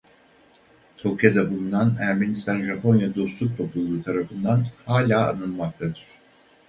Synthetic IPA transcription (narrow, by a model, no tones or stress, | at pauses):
t̪ʰokijad̪abund̪anæɾmenist̪ʰænʒapʰo̞njad̪o̞slˠuk̚t̪ʰo̞pʰulˠːuːt̪ʰaɾafɯnd̪anhaːlʲaːa̰nɯlˠmak̚t̪ʰad̪ɯɾ̥